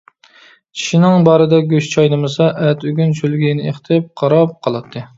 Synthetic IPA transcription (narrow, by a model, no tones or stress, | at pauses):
t͡ʃʰi̥ʃinɪŋbɑːɾɨd̪ɛɡʲøʃt͡ʃʰɑjnɨmɨsɑʔɛt̪yɡʲynt͡ʃʰylɡʲinɪeχt̪ʰɪp̚qʰɑɾɑp̚qʰɑlˠɨt̪ʰːɨ